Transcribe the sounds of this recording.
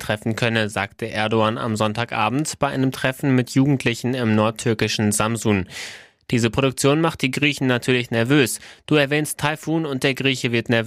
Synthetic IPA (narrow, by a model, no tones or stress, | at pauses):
tʁ̥ɛfn̩kʰœnəzaːktʰəʔɛɐdoaːna̰mzɔntaːkʔa̰ːbm̩tb̥aɪʔa̰ɪnəmtʁ̥ɛfn̩mɪtjuːɡŋ̩tʰlɪçn̩ɪmnɔɐtʰːʏɐkɪʃn̩zamzuːn | d̥iːzəpʁ̥oɾʊk̚t͡sjoːnmaχt̚d̥iːɡʁiːçn̩natʰyːɐlɪçnɛɐvøːsd̥uːɛɐvɛːnstʰaɪfuːnʊntd̥eːɐɡʁiːçəvɪɐtnɛɐv